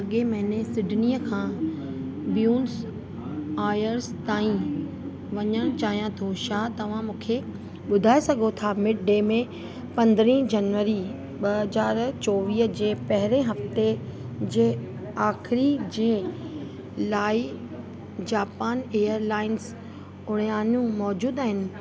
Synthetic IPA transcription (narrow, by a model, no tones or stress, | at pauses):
ɐɠemɐ̃ɦɪnẽsɪɖʱɪniːəkʰãː | bjuːns | aːjəɾzt̪aːĩ | ʋɐɲəɽ̃t͡ɕaːɦijãt̪ʰoʃaːt̪ɐʋ̤ãmũːkʰe | ɓʊd̪ʱaːesɐɡʱot̪ʰamɪʈ̚ɖeːmẽ | pɐ̃nd̪ɾĩːd͡ʑɐnʋəɾi | ɓɐɦɐzaːɾt͡ɕoːʋiːɦd͡ʑeːpɐɦɪɾẽɦɐft̪e | d͡ʑeː | aːxɪɾid͡ʑeː | laːɪ | d͡ʑaːpaːneːəɾlaːɪnz | ʊɽ̤̃ijaːnũmɔːd͡ʑuːd̪aːɦɪnɪ̆